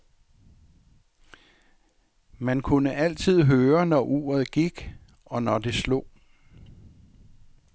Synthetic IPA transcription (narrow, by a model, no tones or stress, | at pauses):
mænkʰunəʔæl̰t͡sʰið̞̰ˠɦøːɐnɒʔṵːɐð̞ˠɡ̥iɡ̥ | ɒ̽nɒd̥e̝slo̰ː